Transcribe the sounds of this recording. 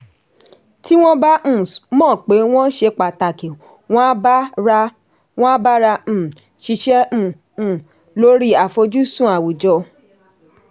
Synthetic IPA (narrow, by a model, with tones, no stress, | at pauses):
ti˦w̃ɔ̃˦ba˦ũ˦˨mɔ̃ː˦˨k͡pe˨˦w̃ɔ̃˦ʃe˧k͡pa˨ta˨ke˨ | w̃ɔ̃˦a˦ba˦ɾa˧ | w̃ɔ̃˦a˦ba˦ɾã˧˨ | ʃi˧ʃɛ̃˦˨ | lo˦ɾi˦a˨fo˧d͡ʒu˦sũ˦˨a˨wu˨d͡ʒɔ˧˨